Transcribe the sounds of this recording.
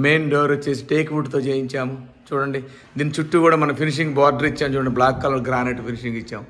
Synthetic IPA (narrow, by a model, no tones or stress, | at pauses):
me̞ːnɖɐwɾɐt͡ʃːe̞ːs̬i̥ʈeːkʋuʈt̪oːt͡ʃeːjiɲt͡ʃaːmut͡ʃuːɽɐɳɖi | d̪iːnit͡ʃuʈːukuːɽaːmɐnɐmpʰiniʂ̬iŋɡbaːɾɖɐɾit͡ʃːaːmt͡ʃuːɽɐɳɖiblaːkːɐlɐlɡɾaːneːʈpʰiniʂiŋɡit͡ʃːaːmu